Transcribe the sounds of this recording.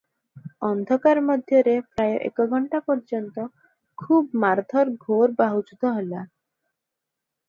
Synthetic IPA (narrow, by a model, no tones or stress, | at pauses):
ɔnd̪ʱɔkaɾmɔd̪ʱjɔɾepɾajoʔḛkɔɡʱɔɳʈapɔɾd͡ʒɔnt̪ɔ | kʰubmaɾd̪ʱɔɾɡʱoɾbaɦud͡ʒud̪ʱɔɦola